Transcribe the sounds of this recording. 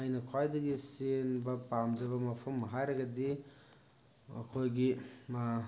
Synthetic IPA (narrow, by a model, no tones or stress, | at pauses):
ajnɐkʰajdɐɡisenbɐpamd͡ʒɐβɐmɐpʰɐmːɦajɾɐɡɐdi | ɐ̰kʰojɡi